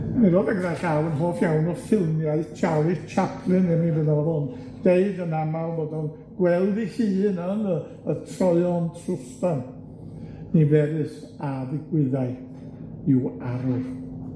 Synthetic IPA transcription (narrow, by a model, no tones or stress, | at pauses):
miɾodaɡəðaɡalˠənɦoːfjawnɔfɪlˠmjaɨt͡ʃʰawlit͡ʃʰapʰlˠɨnɛmivɨnavɔðʊn | d̥eɨdənamawbɔdɔn | ɡ̥wɛlˠdihiːnənə | ətʰrɔɨɔntʰrʊstan | nivɛɾɨs | aðɪɡwɪðaɨθ | ɪwaɾʊr